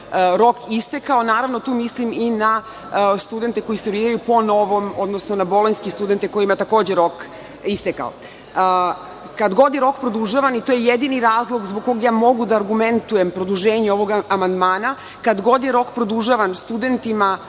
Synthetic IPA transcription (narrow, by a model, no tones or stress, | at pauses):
ɾo̞kist̪ekao̞naːɾaʋno̞t̪uːmislimina | st̪ud̪e̞nt̪e̞ko̞jisoɾiːɾajupo̞no̞ʋo̞mo̞d̪nosno̞nabo̞lˠoɲskest̪ud̪e̞nt̪e̞ko̞jimajt̪ako̞ːd͡ʑeɾo̞k | ist̪eka̰o̰ | kad̪ɡo̞d̪jeɾo̞kpɾod̪uʒaʋanit̪ojejed̪iniɾaːzlˠoɡzboɡkːoɡjaːmo̞ɡud̪aːɾɡument̪ujempɾod̪uʒeːɲeo̞ʋo̞ɡamand̪maːna | kad̪ɡo̞d̪jeɾo̞kpɾod̪uʒaʋanst̪ud̪e̞nt̪ima